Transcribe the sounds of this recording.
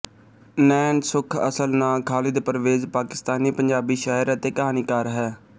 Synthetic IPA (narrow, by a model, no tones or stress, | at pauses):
nɛːnsʊkʰə̰səlnãːkʰaːlɪd̪pɾəʋeːzpaːkɪ̥st̪aːniːpəɲd͡ʒaːbiːʃaːɦəɾət̪eːkəɦaːniːkaːɾɦɛː